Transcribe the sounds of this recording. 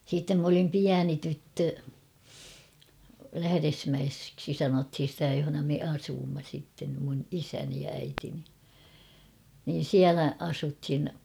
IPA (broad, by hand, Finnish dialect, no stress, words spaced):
siːtːem m olim piæni tytːø læhæresmæesksi sɑnothin̞ sĭtæ johonɑ me ɑsuːmːɑ sitːen mun isæni jɑ æitini niːn̞ siælæ ɑsuthin